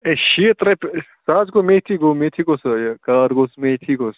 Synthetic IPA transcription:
eʃiːt̪ɾɐpsaːzɡomet̪ʰiɡoːmet̪ʰiɡosɐjkaːɾɡosmet̪ʰikoːs

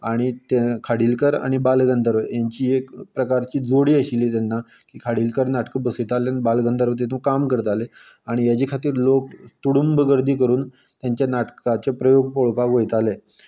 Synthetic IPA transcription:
aɽ̃it̪ekʰaɽiːlkəɾa̰ɽ̃ibalɡənd̪əɾʋəjaɲt͡ɕiːekpɾəkaɾt͡ɕiːd͡zoɽiːəɕiliːt̪anːa | kiːkʰaɽiːlkəɾnaʈkəbəsəjt̪aleanibalɡənd̪əɾʋət̪̬et̪ʰũkamkəɾət̪ale | aɽ̃ijat͡ɕekʰat̪iːɾlokt̪uɽumbəɡəɾd̪iːkəɾuːn | t̪jaɲt͡ɕjanaʈkat͡ɕepɾəjoɡpoɭpaɡɦojt̪ale

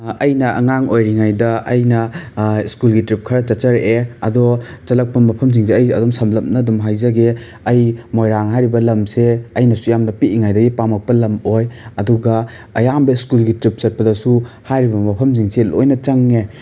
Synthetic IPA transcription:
ɐjnɐɐŋaŋojɾiŋajdɐɐjnɐiskulɡitɾip̚kʰɐɾɐt͡ʃɐtt͡ʃɐɾeʔeɐdɔ | t͡ʃɐlɐk̚pɐmɐpʰɐms̬iŋseɐjɐdɔmsɐmlɐp̚nɐdumɦajzɐɡe | ɐjmojɾaŋɦajɾibɐlɐmseɐjnɐsujamnɐpiʔiŋajdɐɡipamɐk̚pɐlɐmojɐduɡɐː | jambɐiskulɡitɾip̚sɐt̚pɐdɐsu | hajɾibɐmɐpʰɐms̬iŋselo̰jnɐt͡ʃɐŋe

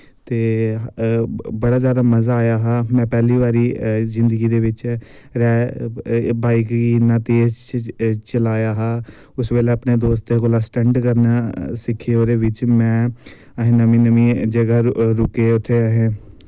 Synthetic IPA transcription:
t̪eː | bəɽaːzjaːd̪aːməzaːjaːɦaːmɛ̃ːpɛːliːʋaːɾiːzɪnd̪əɡiːd̪eːʋɪt͡ʃ | ɾɛː | baːikɡiːnaːt̪eːzt͡ʃt͡ʃəlaːjaːɦaː | ʊsʋeːleːəpneːd̪oːst̪ekolaːsʈɛɳɖkəɾnaːsɪkʰːeːoːɾeːʋɪt͡ʃmɛ̃ː | əɦẽːnəmĩːnəmĩːd͡ʒəɡaːɾʊkeːʊt̪ʰːeːəɦẽː

